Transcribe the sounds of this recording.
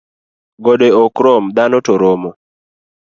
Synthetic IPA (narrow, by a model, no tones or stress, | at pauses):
ɡɔdeɔkɾɔmd̪anɔtɔɾɔmɔ